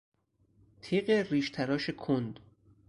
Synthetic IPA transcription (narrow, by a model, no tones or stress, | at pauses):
t̪ʰiːɢeriːʃt̪ʰæɾɒːʃekʰond̪